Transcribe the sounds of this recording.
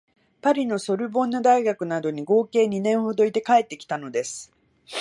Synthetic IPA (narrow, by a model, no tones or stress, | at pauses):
paɾʲino̞so̞ɾɯ̟bõ̞nːod̪aiɡakɯ̟nad̪o̞ɲ̟iɡo̞ːke̞ːɲ̟inẽ̞ɰ̃ho̞d̪o̞it̪e̞kae̞t̪ːe̞kʲi̥t̪ano̞d̪e̞sɨ̥